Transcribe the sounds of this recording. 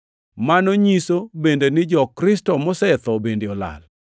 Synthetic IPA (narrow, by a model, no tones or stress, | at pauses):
manoɲisobendenɪd͡ʒɔkɾɪstɔmɔsɛt̪ɔbendeɔla̰l